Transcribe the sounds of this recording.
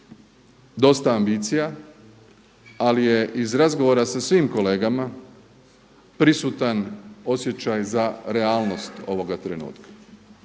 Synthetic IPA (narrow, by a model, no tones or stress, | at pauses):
d̪o̞st̪aːmbit̪sija | alije̞ʔizɾazɡo̞ʋo̞ːɾasasʋiːmko̞le̞ːɡama | pɾisut̪ano̞sje̞t͡ɕajzaɾe̞aːlˠno̞st̪o̞ʋo̞ɡat̪ɾenṵːt̪kḁ